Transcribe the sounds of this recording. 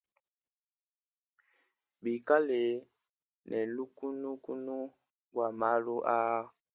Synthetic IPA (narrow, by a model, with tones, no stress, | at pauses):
bi˨ka˦le˨ | nʔɛ˨lu˦ku˦nu˦ku˦nu˦ | ɡwa˨ma˦lu˦ʔa˦